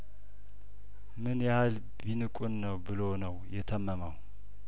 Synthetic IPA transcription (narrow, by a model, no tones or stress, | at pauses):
mɨnjahal | binɨkʷʼunːəwbɨlonəwjɛt̪ʰəmːəməw